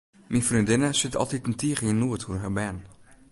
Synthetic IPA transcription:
minfrindɪnəsɪtɔ̰lˠtitəntʰiːχəjənuəthurɦɛbɛn

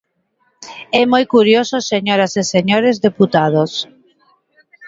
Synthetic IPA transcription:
ɛmojkuɾjososeɲoɾaseseɲoɾezðeput̪að̞os

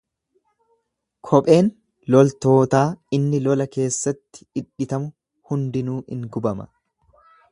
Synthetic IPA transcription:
kʰɔpʼe̞ːn | lɔlt̪o̞ːt̪aːɪnːɪlɔlɐke̞ːsːɐt̪ːɪ̥ːᶑɪt̪ɐmʊ | hʊnd̪ɪnuːʔɪ̰ŋɡʊbɐmɐ̰

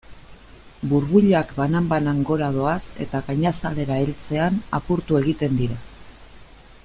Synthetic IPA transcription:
buɾβuʎakbanambanaŋɡo̞ɾað̞o̞ase̞̰t̪aɣaɲasale̞ɾaelt͡se̞ana̰puɾt̪ue̞ɣ̞it̪e̞nd̪iɾa

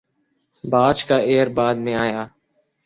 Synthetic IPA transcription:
baːt͡ʃkaːeːɾbaːd̪mẽaːjaː

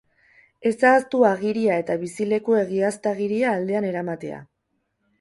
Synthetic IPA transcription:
e̞saːst̪uaɣ̞iɾiae̞t̪aβisile̞kue̞ɣiast̪aɣ̞iɾiaːld̪e̞ane̞ɾamat̪e̞a̰

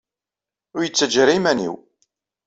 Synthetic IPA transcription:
ʊɾjət͡sːəd͡ʒəɾimænḭw

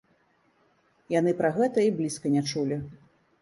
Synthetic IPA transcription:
janɨpɾaɣɛt̪ɐiblʲiskɐnʲat͡ʂulʲi

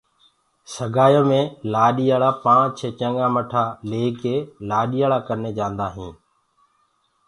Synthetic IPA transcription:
səɡʱaːjõːmẽːlaːɗiːjaːɭaːpãːt͡ʃʰeːt͡ʃə̃ŋɡãːməʈʰaːleːkːeːlaːɗijaːɭaːkəɾnẽːd͡ʒãːnd̪aːɦĩː

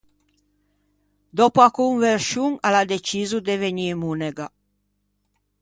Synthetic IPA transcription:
d̪ɔpuakuɱveɾʃuŋalad̪et͡ʃizud̪eveɲimuneɡa

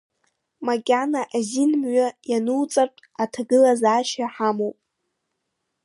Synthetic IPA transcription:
makʲʼanaʔazinmɥajanɨwt͡sʼartʼatʰaɡɨlazaːʃaħamowpʼ

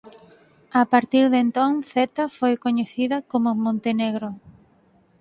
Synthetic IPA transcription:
apaɾt̪iɾðent̪õŋθet̪afojkoɲeθiðɐkomʊmõnt̪eneɣɾo

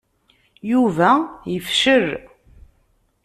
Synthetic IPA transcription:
juvæjəfʃər

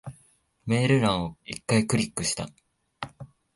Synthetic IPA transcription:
me̞ːɾɯ̟ɾãɰ̃o̞ikːaikɯ̟ɾʲikːɯ̟ɕi̥t̪a̰

